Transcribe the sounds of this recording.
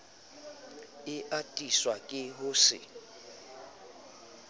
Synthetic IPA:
ɪʔatʼiswakʼɪɦʊːsɪ̰

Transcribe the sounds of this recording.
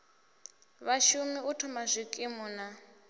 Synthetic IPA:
βaʃumiutʰɔmazʷikʼimuːna

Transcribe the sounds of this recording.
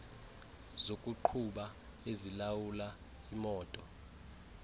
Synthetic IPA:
zokʼuǃʰuɓa | ezilawula | imɔːtʼɔ

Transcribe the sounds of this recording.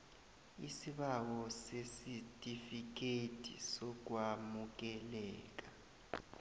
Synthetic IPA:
isiɓawɔsesitʼifik̬etʰʼḭsɔk̬wamuk̬ɛlɛːk̬ʼa

